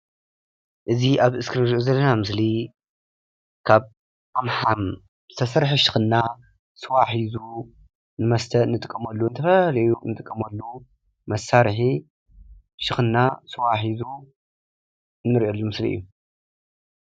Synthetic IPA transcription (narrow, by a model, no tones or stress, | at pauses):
ʔɨziʔaβʔɨskʰɨnɨɾʔuzɐlːɐnamɨsli | kʰaβ | amħam | zɨ̥t̪ʰɐsɐɾħiʃɨ̥xɨnːa | sɨwaħizu | nɨmɐst̪ʰɐnːɨt̪ʼɨkʼːɐmɐlːuɨnt̪ʰɐfɐlɐjunɨt̪ʼɨkʼːɐmɐlːu | mɐsːaɾħi | ʃɨxɨnːasɨwaħizu | ɨnːɨɾʔolːumɨslḭʔɨ̰jːu